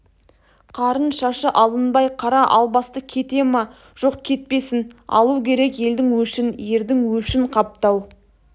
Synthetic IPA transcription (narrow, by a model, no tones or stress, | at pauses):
qʰɑɾənʃɑʃəʔɑlˠənbɑjqʰɑɾɑʔɑlˠbɑst̪əkʲʰe̞t̪e̞mɑ | ʒ̥o̞qkʲʰe̞t̪̚pe̞sɪnɑ̰lˠukʲʰe̞ɾe̞kje̞ld̪ɪŋwɵʃɪnje̞ɾd̪ɪŋwɵʃɪɴqʰɑp̚t̪ɑw